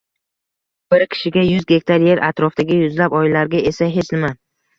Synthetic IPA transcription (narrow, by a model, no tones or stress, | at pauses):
b̥ɪɾkʲʰɪ̥ʃɪɡʲajʊzɡʲe̞k̚ʲt̪ʰaɾje̞ɾʔat̪ɾɒft̪aɡʲɪjʊzlapɒjɪlaɾɡʲaesaɦe̞t͡ʃnɪman